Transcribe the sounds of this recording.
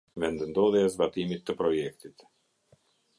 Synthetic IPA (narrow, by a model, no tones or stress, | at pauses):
vɛnd̪ənd̪ɔðɛazbat̪imit̪ːəpɾɔjɛkt̪it̪